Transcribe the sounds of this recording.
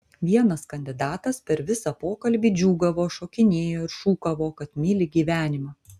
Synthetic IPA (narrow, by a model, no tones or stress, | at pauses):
ʋʲiɛnɐskɐnʲd̪ʲɪd̪ɑːt̪ɐspʲɛɾʋʲɪsɐpoːkɐlʲbʲiːd͡ʒʲuːɡɐʋoːʃoːkʲɪnʲeːjoːɪɾʃuːkɐʋoːkɐt̪mʲɪlʲɪɡʲiːʋʲæːnʲɪmɐ